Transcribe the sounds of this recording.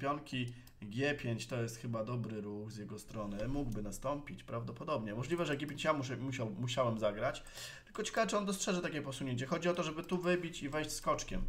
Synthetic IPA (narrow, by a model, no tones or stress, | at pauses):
pʲjɔŋkʲi | ɡʲjɛpʲjeɲt͡ɕt̪ɔjɛst̪xɘbad̪ɔbɾɘɾuxzʲjɛɡɔst̪ɾɔnɘmuɡbɘnast̪ɔmpʲit͡ɕpɾavd̪ɔpɔd̪ɔbɲɛmɔʐlʲivɛʐɛɡʲepʲjeɲt͡ɕjamumuɕawmuɕawɛmzaɡɾat͡ɕ | t̪ɘ̥lkɔt͡ɕɛ̥kavɘt͡ʂɨɔnd̪ɔstʂɛʐɨt̪akʲɛpɔsuɲeɲt͡ɕɛxɔd͡ʑiɔt̪ɔʐɛbɘt̪uvɘbʲit͡ɕivɛjɕt͡ɕʲskɔt͡ʂkʲɛ̰m